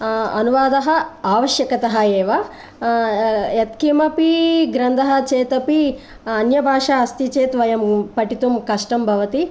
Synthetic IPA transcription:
ɐ̰nuʋaːd̪ɐɦɐ̆aːʋɐʃjɐkɐt̪ɐɦɐeːʋɐ | jɐt̪kimɐpiɡɾɐnd̪ʱɐɦɐ̆t͡ʃeːt̪ɐpi | ɐnjɐbʱaːʂaɐst̪it͡ʃeːt̪ʋɐjɐmpɐʈit̪umkɐʂʈɐmbʱɐʋɐt̪i

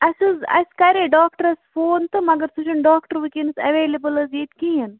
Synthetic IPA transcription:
ɐsuzɐ̰skaɾeɖaːk̚ʈəɾɐsfoːnt̪ɨmɐɡɐɾsut͡ʃɐnɖaːkʈɐɾʋikensɐʋeːlɐbəlɐzjiːt̪kijɐn

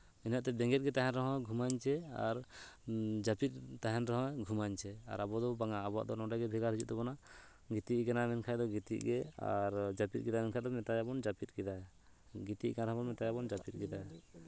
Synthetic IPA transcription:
inaʔt̪ɛbɛ̃ŋɡɛt̪̚ɡɛt̪aɦɛ̃nɾɔɦɔ̃ɡʱumaɲt͡ʃɛa̰ɾ | d͡ʒapit̪̚t̪aɦɛnɾɔɦɔ̃ɡʱumaɲt͡ʃʰɛa̰ɾabɔd̪ɔbaŋaːbɔa̰ʔd̪ɔnɔ̃ɖaɡɛbʱɛɡaɾɦud͡ʒuʔ̪̚t̪ɛbɔna | ɡit̪iʔɡanamɛnkʰajd̪ɔɡit̪ḭʔɡɛa̰ɾd͡ʒapit̪̚ɡɛd̪amɛnkʰaj̚d̪ɔmɛt̪ajabɔnd͡ʒapit̪̚ɡɛd̪a | ɡit̪iʔɡanɾɔɦbɔnmɛt̪ajabɔnd͡ʒapit̪̚ˀɡɛd̪a

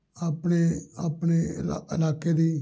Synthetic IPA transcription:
aːpɳeːapɳeːɪ̰laːkeːd̪iː

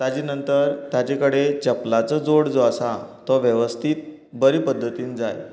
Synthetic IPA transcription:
t̪ad͡ʑiːnənt̪əɾt̪jat͡ɕekəɽet͡ɕəplat͡sɔd͡zoɽd͡zoasat̪ɔʋjəʋəst̪ʰiːt̪̚ | bəɾiːpəd̪ʱːət̪iːnd͡zaj

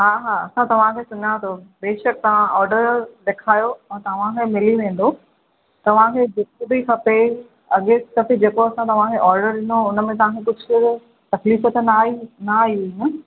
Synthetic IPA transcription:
ɦaːɦaːɐsãt̪ɐʋ̤ãkʰeːsʊɲat̪ʰobeːʃək̚t̪ɐʋ̤ãʔɔːɾɖəɾɗeːkʰaːjoɛ̃ːt̪ɐʋ̤ãkʰemɪliʋẽːn̆d̪o | t̪ɐʋ̤ãkʰeːd͡ʑekobikʰɐpe | ɐɠet̪ɐbid͡ʑeːkoɐsãt̪ɐʋ̤ãkʰeʔɔːɾɖəɾɗɪnoʊnəmẽt̪̬ɐʋ̤ãkʰekʊd͡ʑʱ | t̪ɐkliːfət̪naːinaaːiɦinə

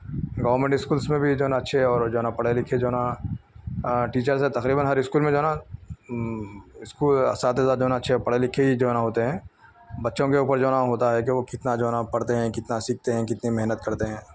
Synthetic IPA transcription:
ɡɔːʋəɾmẽɳʈɪskuːlsmẽbʱid͡ʒoːnaɐtːʃʰeɦɔːɾd͡ʒoːnapɐɽelɪkʰed͡ʒoːna | ʈiːt͡ʃəɾs̬et̪ɐqɾiːbənɦɐɾɪskuːlmẽd͡ʒoːna | ɪskuːlsaːt̪ɦɛzaːɾd͡ʒoːnaətːʃʰepɐɽelɪkʰeid͡ʒoːnaɦoːt̪eɦɛ̃ː | bɐtːʃõkeuːpəɾd͡ʒoːnaɦoːt̪aɦɛkiʋokɪt̪nad͡ʒoːnapɐɽt̪eɦɛ̃kɪt̪nasiːk̚t̪eɦɛ̃kɪt̪nimɛɦnət̪kɐɾt̪eɦɛ̃ː

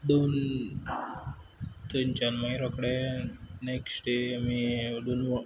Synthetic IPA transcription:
d̪on | t̪ənt͡ɕanmajɾɔkɽeneksʈemid̪onʋ

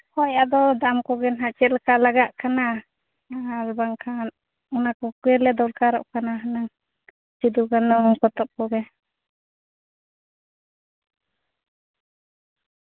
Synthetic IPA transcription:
hɔjad̪ɔd̪aʔmkɔɡɛnɦaʔt͡ʃɛlkalaɡaʔkana | albaŋkʰan | ɔnakɔkɛlɛd̪ɔlkaɾɔ̰ʔkanaɦanaŋ | t͡ʃid̪uɡanɔŋkɔt̪ɔp̚kɔɡɛ

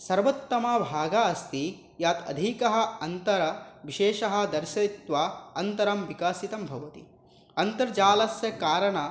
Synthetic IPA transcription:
sɐɾʋɐt̪ːɐmɐbʱaːɡɐɐst̪i | jaːt̪ɐ̰d̪ʱikɐɦɐ̆ɐnt̪ɐɾɐʋiʃeːʃɐɦɐ̆d̪ɐɾʃɐt̪ʋaɐnt̪ɐɾɐmʋikaːsit̪ɐmbʱɐʋɐt̪ḭ | ɐnt̪ɐɾd͡ʒaːlɐsjɐkaːɾɐɳɐ

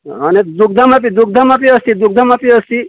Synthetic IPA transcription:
aned̪uk̚d̪ʱamap̬id̪uk̚d̪ʱamapiəst̪id̪uk̚d̪ʱəmapiəst̪i

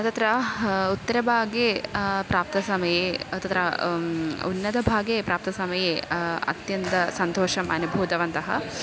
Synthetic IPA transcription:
ɐt̪ɐt̪ɾɐut̪ːɐɾɐbʱaːɡepɾaːp̚t̪ɐsɐmɐjeɐt̪ɐt̪ɾɐ | unːɐd̪ɐbʱaːɡepɾaːp̚t̪ɐsɐmɐjeɐ̰t̪jɐnt̪ɐsɐnt̪oːʃɐmɐ̰nubʱuːd̪ɐʋɐnt̪ɐɦɐ̰

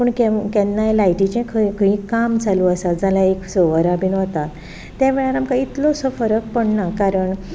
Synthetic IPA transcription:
pəːɳkɛkãnːalajʈit͡ɕẽkʰəkʰəĩkamd͡zaluəsad͡zʱalaeksoʋəɾabiːnʋət̪at̪ | t̪ːjãʋɛɭaɾamkait̪lɔsəfəɾək̚pəɳnakaɾəɳ

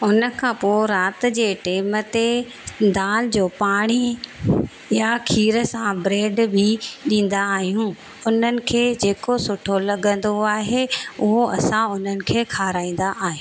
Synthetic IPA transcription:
ʊnəkʰãːpoːɾaːt̪̆d͡ʑeːʈeːmət̪e | d̪aːld͡ʑoːpaːɽ̃i | jakʰiːɾəsãbɾeːɖbʱiɗĩːn̆d̪aːɦijũ | ʊn̤ənɪ̆kʰeːd͡ʑeːkosʊʈʰolɐɠə̃nd̪oaːɦeʊɦoɐ̰sãʊn̤ənɪ̆kʰeːkʰaːɾaːĩːn̆d̪aʔaːɦijũː

